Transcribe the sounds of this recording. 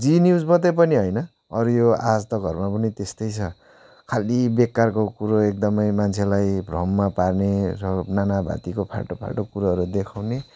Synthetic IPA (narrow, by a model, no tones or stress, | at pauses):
d͡zinjud͡zbʌt̪ʌp̬ʌniɦʌjnʌ | ʌɾjoa̰d͡zt̪ʌɡʱʌrmapʌnit̪est̪ʌjt͡sʰʌ | kʰalibekːarkokuɾoek̚d̪ʌmʌjmant͡sʰelajbʱrʌmːaparneɾʌnanabʱa̰t̪ikopʰa̰ʈopʰa̰ɭʈokuɾaɦʌɾud̪ekʰawne